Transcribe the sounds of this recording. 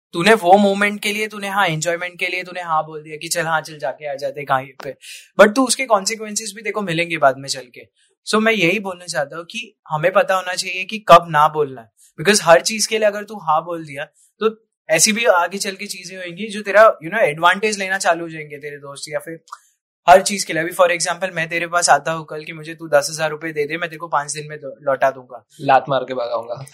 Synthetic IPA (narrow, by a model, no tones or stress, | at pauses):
t̪unẽʋoːmoːmɛ̃ɳʈ̚keliet̪unẽɦãɛ̃ɲd͡ʒɔːɪmɛ̃ɳʈ̚keliet̪uːnẽɦãboːld̪ijakit͡ʃɐlɦãt͡ʃɐld͡ʒaːkeaːd͡ʒaːt̪ekaːipebɐʈ̚t̪uʊskekɔ̃ːnsɪk̬ʋɛ̃nsɪzbʱid̪eːkʰomɪlẽːŋɡebaːd̪mẽt͡ʃɐlke | soːmɛ̃jɐɦiboːlnat͡ʃaːɦt̪aːɦũki | hɐmẽpɐt̪aɦoːnat͡ʃaːɦiekikɐbnaboːlnaɛ | b̥ɪkɔːzɦɐɾt͡ʃiːzkelieɐɡəɾt̪ũɦãboːld̪ija | t̪o | ɛːsibʱiaːɡet͡ʃɐlket͡ʃiːzẽɦoẽːŋɡid͡ʒoːt̪eːɾajunoːɛːɖʋãːɳʈeːd͡ʒleːnat͡ʃaːluɦod͡ʒaːẽŋɡet̪eːɾed̪oːst̪jafɪɾ | hɐɾt͡ʃiːzkelieɐbʱifɔːɾeːɡzãːmpəlmɛ̃t̪̬eːɾepaːsaːd̪aɦokəlkimʊd͡ʒʱet̪ud̪ɐsɦɐzaːɾːʊpjed̪eːd̪emɛ̃ːt̪eːɾkopãːt͡ʃd̪ɪnmẽlɔːʈad̪ũːŋɡaːlaːt̪maːɾkebaɡa̰ːṵ̃ːŋɡa